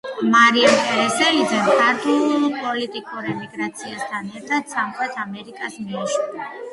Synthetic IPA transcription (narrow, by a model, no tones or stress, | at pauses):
maɾiampʼɛɾɛsɛid̪zɛnkʰaɾt̪ʰʼulpʼɔlit̪ʼikʼuɾɛmiɡɾat̪sʰiast̪ʰanɛɾt̪ʰad̪̥samχwɛt̪ʰamɛɾikʼasmiaʃua